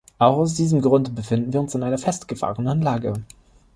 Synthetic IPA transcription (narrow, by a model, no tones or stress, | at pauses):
ʔaʊxaʊs̬d̥iːzəmɡʁʊndəbəfɪndn̩viːɐʊnsanʔaɪnɐfɛstɡ̥əfa̰ːʁənnənlaːɡə